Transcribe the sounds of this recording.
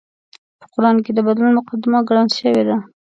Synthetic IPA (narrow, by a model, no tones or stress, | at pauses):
pə̥qʊɾɑnk̬ed̪əbad̪lunmʊqad̪ɪmaɡɽanʃəwed̪a